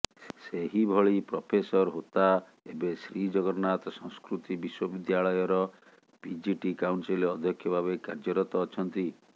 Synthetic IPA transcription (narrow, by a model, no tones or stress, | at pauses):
seɦibʱɔɭipɾɔpʰesɔɾɦot̪a | ebesɾid͡ʒɔɡɔɾnat̪ɔsɔ̃ŋ̃skɾut̪ibiswɔbid̪jaɭɔjɔɾɔ | b̥id͡ʒiʈikawɳsilɔd̪ʱjɔkʰːjɔbʱabeka̰ɾd͡ʒɔɾɔt̪ɔːt͡ʃʰɔnt̪i